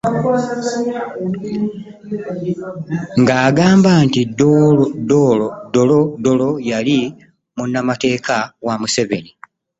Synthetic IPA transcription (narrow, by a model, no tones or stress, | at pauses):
ŋɡaːɡaːmbaːntiddodolodo̞lo̞jali | munːamate̞ːkʰawamuseve̞̰ni